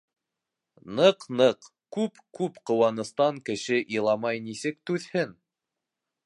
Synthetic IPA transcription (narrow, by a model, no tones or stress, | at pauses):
nɤqnɤq | kʉpkʉpqŏwɑnɤ̆st̪ɑŋkɘ̆ʃɘʔilˠɑmɑjnisɘk̚t̪ʉðhɘn